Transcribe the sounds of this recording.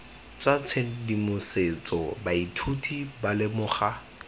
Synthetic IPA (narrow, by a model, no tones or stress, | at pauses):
t͡sat͡sʰedimʊset͡sɔbaitʰutʰibalɪmʊːχa